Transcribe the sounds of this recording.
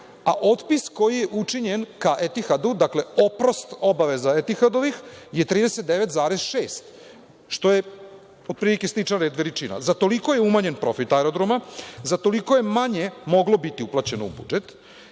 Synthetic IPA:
aʔo̞t̪pisko̞jijeʔut͡ʂiɲe̞nkaʔet̪ixad̪ud̪akleo̞pɾo̞st̪o̞baʋe̞zaet̪ixad̪o̞ʋixje̞t̪ɾiːd̪e̞set̪d̪eʋe̞t̪zaːɾezʃeːst̪ | ʃt̪o̞je | od̪̚pɾilike̞slit͡ʃaɾed̪ʋeɾit͡ʃina̰zat̪o̞liko̞jeumaɲe̞npɾo̞fit̪aɛɾo̞d̪ɾomazat̪o̞liko̞je̞maɲe̞mo̞ɡlo̞bit̪iuplˠat͡ɕe̞noṵbṵd͡ʒet̪

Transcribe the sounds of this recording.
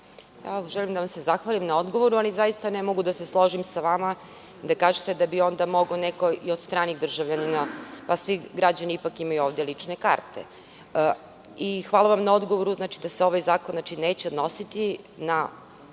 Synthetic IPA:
a̰ʒɛlimd̪aʋamse̞zaxʋalimnao̞d̪ɡoʋo̞ɾualizajist̪anɛmoɡud̪ase̞slˠo̞ʒimsaʋama | d̪akaːʒet̪e̞d̪abio̞nd̪amo̞ɡoneko̞io̞d̪st̪ɾaːniɣd̪r̩ʒaʋʎaninapasʋiɡɾad͡ʑaniipakimajuoːʋd̪je̞lit͡ʂne̞ka̰ɾt̪ḛ | ixʋaːloʋamnao̞d̪ɡoʋo̞ɾuznaːt͡ʃid̪aseo̞ʋajzaːkonat͡ʃine̞ːt͡ɕeo̞d̪no̞sit̪i | na

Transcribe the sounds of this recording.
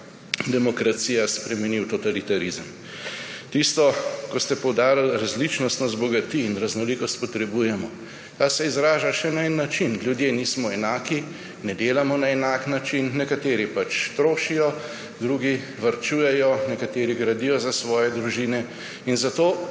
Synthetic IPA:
d̪ɛmɔkɾat̪siːjaspɾɛmɛniwt̪ɔt̪alit̪aɾizəm | t̪ist̪ɔkɔst̪ɛpɔwd̪aːɾalɾazlit͡ʃnɔst̪nɔzbɔɡat̪iːnɾaznɔlikɔst̪̚pɔt̪ɾɛbujɛmɔ | t̪aːsɛizɾaːʒaʃɛnaɛnːat͡ʃinljud̪jeːniːsmɔɛnaːki | nɛd̪eːlamɔnaɛnaːknat͡ʃinːɛkat̪eːɾipat͡ʃt̪ɾoːʃijɔ | d̪ɾuːɡi | ʋɐɾt͡ʃuːjɛjɔnɛkat̪eːɾiɡɾad̪ijɔzasʋɔːjɛd̪ɾuʒiːnɛ | inzat̪oː

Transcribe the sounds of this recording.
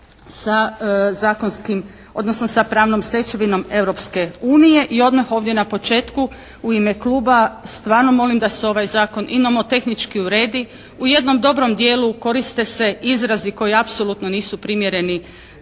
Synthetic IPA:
sazaːkonskim | o̞d̪nosno̞sapɾaːʋno̞mslʲe̞t͡ʃeʋino̞me̞ʋɾo̞pske̞uːnije̞ʔio̞d̪maxo̞ːʋdje̞napo̞t͡ʃe̞ːt̪ku | uimeklˠuːbast̪ʋaːɾno̞mo̞limd̪aseo̞ʋajzaːko̞nʔinomot̪e̞xnit͡ʃkiuɾe̞ːd̪i | uje̞d̪no̞md̪o̞bɾo̞md̪je̞ːluko̞ɾist̪e̞se̞izɾaziko̞jiapso̞lˠut̪no̞niːsupɾimjeɾe̞ni

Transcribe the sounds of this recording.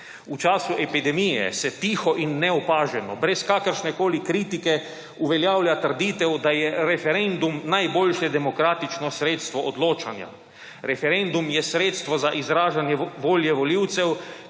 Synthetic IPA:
ut͡ʃaːsuʔɛpid̪ɛmijɛ̰sɛt̪iːxɔʔinːɛɔpaːʒɛnɔbɾɛskaːkəɾʃnɛkoːlikɾiːt̪ikɛ | uʋɛljaːwljat̪əɾd̪it̪ɛwd̪ajɛɾɛfɛɾend̪umnajboːlʃjɛd̪ɛmɔkɾaːt̪it͡ʃnɔsɾeːt̪st̪ʋɔʔɔd̪loːt͡ʃanja̰ | ɾɛfɛɾend̪umjɛsɾeːt̪st̪ʋɔzaʔizɾaːʒanjɛʋoːljɛʋɔliwt̪sɛw

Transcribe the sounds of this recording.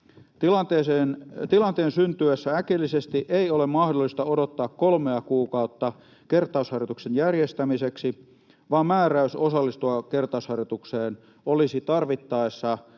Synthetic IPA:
t̪ilɑt̪eːseːnt̪ilɑnt̪eːnsynt̪yesːæækilːisest̪iʔeiolemmɑhdolːˑist̪ɑodot̪ːɑːkkolmeækuːkɑut̪ːɑ | kert̪ˑɑushɑrjot̪uksenjærjest̪æmiseksi | ʋɑːmmæːræysosɑlːist̪uɑkert̪ˑɑˑushɑrjot̪ukseːn | olisit̪ɑrʋit̪ːɑesːɑ

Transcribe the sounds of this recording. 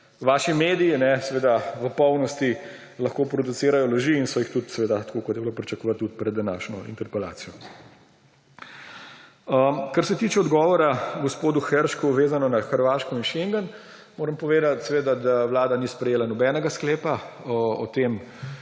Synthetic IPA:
ʋaːʃimeːd̪iinɛsɛʋeːd̪aʋəpɔwnɔst̪i | lɐxkoːpɾɔd̪useːɾajɔloʒiːnsɔjixt̪ut̪sɛʋeːd̪at̪kokɔt̪jɛblopɾit͡ʃɐkɔʋat̪ːut̪̚pɾɛd̪ːanaːʃnɔḭnt̪ɛɾpɛla̰ːsijɔ | əkɐɾsɛt̪iːt͡ʃɛɔd̪ɡɔːʋɔɾaɡɔspoːd̪uxɛɾʃkuʋeːzanɔnaxəɾʋaʃkɔinʃeŋɡən | moːɾəmpɔʋeːd̪at̪sɛʋeːd̪ad̪aʋlaːd̪anispɾɛjeːlanɔbɛːnɛɡaskleːpaɔt̪eːm

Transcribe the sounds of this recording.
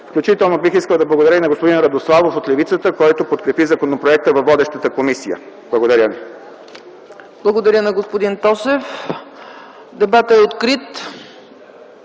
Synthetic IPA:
fklʲut͡ʃit̪ɛlˠnobixiskəlˠd̪ɐblˠɐɡod̪ɐɾəinɐɡospod̪inɾɐd̪oslˠavofot̪lɛvit̪sət̪əkɔjt̪opot̪kɾɛpizɐkonopɾoɛk̚t̪əvɐvɔd̪ɛʃt̪ət̪əkomisijə̰ | blˠɐɡod̪ɐɾʲjəmi | blˠɐɡod̪ɐɾʲjənɐɡospod̪int̪ɔsɛf | d̪ɛbat̪ɛot̪kɾit̪

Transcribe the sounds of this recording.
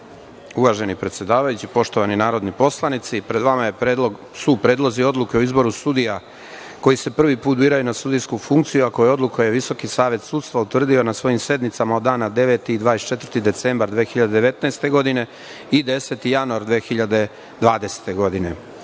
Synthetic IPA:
uʋaʒe̞nipɾet̪sje̞d̪aːʋajut͡ɕipo̞ʃt̪oʋaninaːɾo̞d̪nipo̞slˠanit̪sipɾe̞d̪ʋamaje̞lo | supɾe̞ːd̪lˠozio̞d̪lˠuke̞oizbo̞ɾusud̪ija | ko̞jise̞pr̩ʋipuːt̪̚biːɾajunasud̪ijskufuŋkt̪sijuakojeo̞d̪lukojeʋiso̞kisaːʋe̞t̪suːd̪st̪ʋaut̪ʋr̩d̪io̞nasʋo̞jimse̞d̪nit̪samaod̪aːnad̪e̞ʋe̞t̪iːd̪ʋaːest͡ʃe̞t̪vəɾrt̪id̪e̞t̪sembaɾd̪ʋeːxiʎad̪e̞d̪eʋe̞t̪naest̪e̞ɡo̞d̪ine̞ | id̪e̞se̞t̪ijanuaɾd̪ʋeːxiʎad̪e̞ | d̪ʋaːd̪e̞se̥t̪e̞ɡo̞d̪ine̞̰

